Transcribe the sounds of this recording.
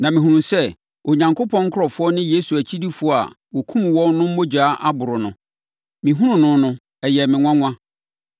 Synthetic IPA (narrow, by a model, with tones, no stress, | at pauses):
nã˨mɪ̃˨ɦũ˨ɾũ˨sɛ˦ | o˨ɲã˨ŋko˦pʰɔ̃˦ŋ̩˦kʰʊ˦ɾɔ˨fʊ˦ɔ˦nɪ̃˦je˦su˨æ˨t͡ɕʰi˦di˦fʊ˨˦ɔ˦a̰˨ | wɔ˨kʰũ˦m̃˨wɔ̃˦nnʊ̃˦m̩˦o˦d͡ʑaː˨˦ʔa˦bʊ˨ɾʊ˨nʊ̃˨ | mɪ̃˨ɦũ˦ʊ̃˨nʊ̃˦nʊ̃˦ | ɛ˨jɛ˨mɪ̃˨ŋʷã˦ŋʷ˦ã˦